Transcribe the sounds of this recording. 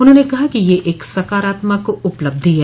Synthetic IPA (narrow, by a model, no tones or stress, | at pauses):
ʊnɦõːnekɐɦakijeʔeːksɐkaːɾaːt̪makoʊpləb̚d̪ʱiɦɛ